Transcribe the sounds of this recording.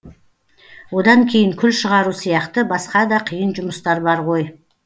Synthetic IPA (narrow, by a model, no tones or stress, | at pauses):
wo̞d̪ɑŋkʲʰe̞jɪŋkʲʰʏlʃəʁɑɾusijɑqt̪əbɑsqɑd̪ɑqʰijənʒʊməst̪ɑɾbɑɾʁo̞j